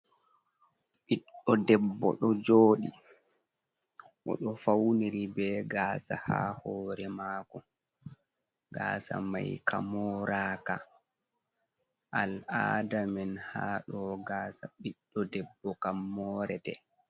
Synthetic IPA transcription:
ɓiɗːɔdɛbːɔ̰ɗɔd͡ʒoːɗi | ʔɔ̰ɗɔfawniɾibɛɡaːsaha̰hɔːɾɛmaːkɔ | ɡaːsa̰ma̰jkamɔːɾaːka | ʔalaːdamɛnhaːɗɔɡaːsaɓiɗːɔdɛbːɔkamːɔːɾɛtɛ

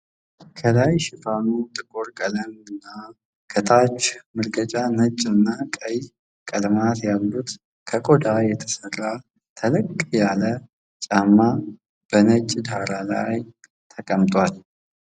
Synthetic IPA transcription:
kʰəlajʃɪfanut̪ʼɨɡoɾkʼələmɨnːa | kʰət̪ʰat͡ʃmɨɾɡət͡ʃʼanət͡ʃʼːɨnːakʼəj | kʼəlmat̪jalːut̪ | kʰəkʼod̪ajɛt̪ʰə̥sərːa | t̪ʰələkʼːjalə | t͡ʃʼamːa | b̥ənət͡ʃʼːd̪aɾala̰j | t̪ʰəkʼəmt̪ʼwal

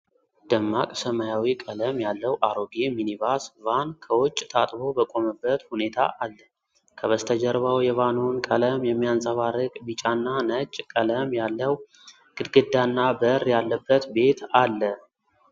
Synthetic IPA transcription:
d̪̥əmːakʼsəmajawikʼələmjalːəwʔaɾoɡeminivasvankʰəwɔt͡ʃʼːt̪ʰat̪ʼbo̞bəkʼo̞məbːət̪hune̞t̪ʰa̰ʔalːə | kʰəβəst̪ʰəd͡ʒəɾβawjɛvanunkʼələmjɛmːijansʼəβaɾɨkʼbit͡ʃʼanːanət͡ʃʼkʼələmjalːəw | ɡ̥ɨd̪ɡɨd̪ːanːabəɾjalːəbːət̪be̞t̪alːə

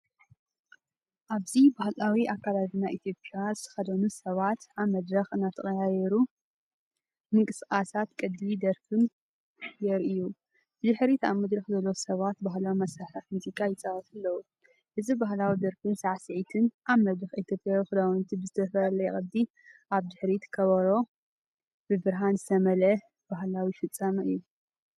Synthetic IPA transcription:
ʔaβzibahlawiʔakʰːalaβinaʔit̪ʰjo̞pʼjazɨt̪ʰɐ̥xɐd̪ɐnusɐβat̪ʔaβmɐd̪ɾɐxɨnːat̪ʰɐχʼɐjajɛɾu | mɨŋkʼɨsxʼasat̪kʼɨd̪ːid̪ɐɾfɨn | jɛɾʔiju | bɨd̪ɨħɾit̪a̰βmɐd̪ɾɐxzɐlːosɐβat̪̚baɦlawimɐsɾaħaħmuzikʼːajɪt͡sʼaβɐt̪ʰɨlːɐwu | ʔɨzibaɦlawid̪ɐɾfɨmsaʕsɨʕit̪ʰɨnʔaβmɐd̪ɨxʔit̪ʰjopʼjawixɨd̪awnt̪ʰibɨzɨt̪ʰɐfɐlɐjɛχʼɐd̪ːi | ʔaβd̪ɨħɾit̪kʰɐβɐɾo̞ | bɨbɨɾɦanzɨt̪ʰɐmɐlɐ | b̥aɦlawifɨt͡sʼːɐmɨjːu

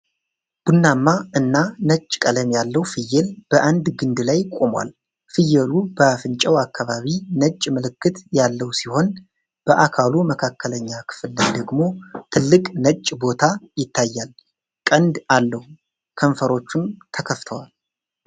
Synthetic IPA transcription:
b̥unːamːaʔɨnːanət͡ʃʼːkʼələmjalːəwfɨjːɛlb̥əʔand̪ɡɨnd̪lajkʼomwa̰l | fɨjːɛlubəfɨnt͡ʃʼəwakːaβaβinət͡ʃʼːmɨlɨkːɨt̪jalːəwsiho̞n | b̥əʔakʰaluməkʰakːələɲːakʰɨ̥fɨlːajd̪əɡmo̞t̪ʰɨlːɨkʼnət͡ʃʼːbo̞t̪ʰajɪt̪ʰːajːal | kʼənd̪alːəhu | kʰəɱfəɾo̞t͡ʃːumt̪ʰəkʰəft̪ʰəwal

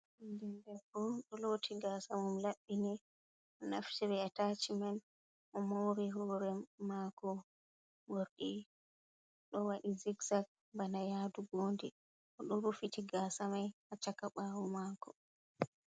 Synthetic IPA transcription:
indɛndɛbɔɗɔlotʰiɡasamumlaɓːinɛ | ʔɔna̰ftɛɾɛatat͡ʃimɛn | ʔɔmowɾiɦɔɾɛmːakɔ | woɾɗi | ɗɔwaɗiziɡzak̚ | banajaːduɡoːndi | ʔɔɗɔɾufitiɡasamajat͡ʃakaɓawɔmaːkɔ

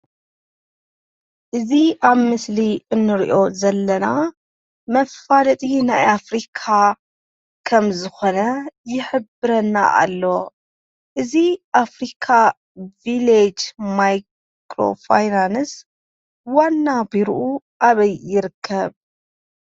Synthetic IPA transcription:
ʔɨziʔaβmɨsliʔɨnːɨɾiʔo̞zɐlːɐna | mɐfːalɐt̪ʼinajafɾikʰa | kʰɐmzɨxo̞nɐjɪħɨbɨɾɐnːa̰ʔa̰lːo̞ | ʔɨziʔafɾikʰa | viled͡ʒmaj | kʰɾo̞̰fajnans | wanːabiɾʔu | ʔaβɐjːɪɾɨkʰːɐβ

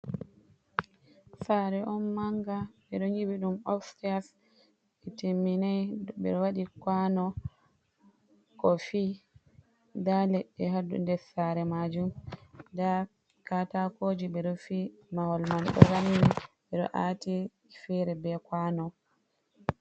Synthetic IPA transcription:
saːɾɛʔɔnmaŋɡaɓɛɗɔɲiwiɗumɔfstias | ɛtimːinajɓɛ̰ɗɔwaɗikwanɔ | kɔfi | dalɛɗːɛɦadṵndɛɾsaɾɛmad͡ʒumda | katakoːd͡ʒiɓɛɗɔfimawɔlmanɗɔ̰ɾanːiɓɛɗɔ̰ʔaːti | fɛɾɛbɛkwanɔ

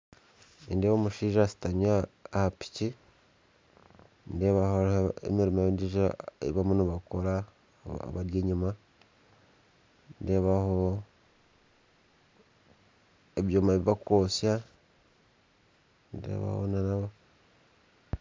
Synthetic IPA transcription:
nindehomuʃiːʒasi̥taɲaːhapi̥ci | ndeβahooḛmiɾimediʒaeβamuniβakoɾa̰ | a̰βaɾjeːɲuma | ndeβaho | eβjoːmaβiβakoːsja | ndḛːβa̰ho̰nanaβa

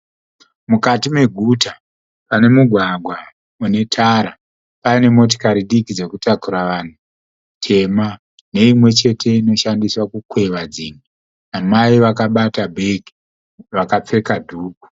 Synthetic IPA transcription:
mukatime̞ɡʱuta | pane̞muɡʱwaɡʱwa | une̞tʰaɾa | paine̞mo̞t̬o̥kaɾiɗikid͡ze̞kutakuɾaʋan̤u | tʰe̞ma | ne̞imwe̞t͡ʃe̞te̞ino̞ʃandiswakukwe̞ʋad͡ziŋi | amaiʋakaɓatabʱe̞ki̥ | ʋakap͡fe̞kadʱuːku̥

